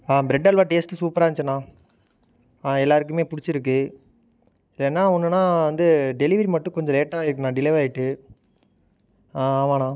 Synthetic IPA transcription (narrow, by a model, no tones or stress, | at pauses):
aːbɪɾɛɖːɐlʋaːʈeːsʈːɯsuːpɐɾaːt͡ʃːɐnːãː | aːɛlːaːɾɯkːɯmeːpʊɽɪt͡ʃːɪɾɯk̬ːɯ | ɪlɛnːaːɔnːɯnãːʋɐnd̪ɯɖɛlɪʋɐɾimɐʈːɯ̃kɔɲd͡ʒɔ̃leːʈːaːɪɾɯkːɯnãːɖɪleːʋaːjɪʈːɯ | ãːaːmaːnãː